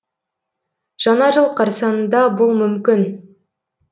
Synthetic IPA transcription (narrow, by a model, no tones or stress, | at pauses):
ʒ̥ɑnɑʒəlˠqʰɑɾsɑnnd̪ɑbolˠmʏmkʲɪn